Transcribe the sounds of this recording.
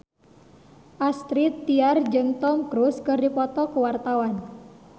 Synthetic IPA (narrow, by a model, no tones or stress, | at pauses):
ʔast̪ɾit̪ːiard͡ʒɨŋt̪ɔmkɾuskɨrdipɔt̪ɔkəwart̪awan